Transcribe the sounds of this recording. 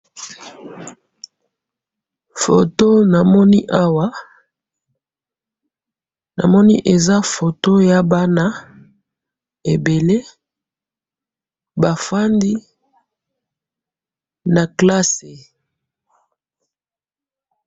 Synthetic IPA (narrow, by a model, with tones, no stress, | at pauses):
fo̰˨to˦na˨mɔ˦ni˦ʔa˦wa˦ | na̰˨mɔ˦ni˦ʔe˨za˦fo˨to˦ja˦ba˦na˦ | e˨be˨le˦ | ba˨fa˦ndi˦ | na˨kla˦se˨